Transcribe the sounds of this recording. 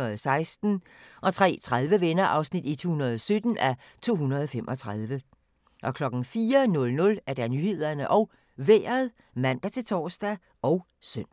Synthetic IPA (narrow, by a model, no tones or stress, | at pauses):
ɐð̩ˠsɑ̈ɪsd̥n̩ | ʔɒ̽t͡sʰʁɛ̰ːt͡sʰʁað̞ˠʋəʋenɐʔɑ̈ʊsnid̥it͡sʰo̝̰ːhunɐð̞ˠɒsød̥n̩ʔæ | t͡sʰo̝̰ːhunɐð̞ˠɒ̽femʔɒt͡sʰʁɑ̈ð̞ˠʋə | ʔɒ̽kʰlɒ̽ɡ̥n̩fiːɐnɔ̽lnɔ̽læɐd̥ænyːhe̝ð̞̰ˠɐnəʔɒ̽ʊ | ʋḛːɐðˠ | mæn̰d̥æt͡sʰe̝lt͡sʰɒːsd̥æ | ʔɒ̽ʊ | søn̰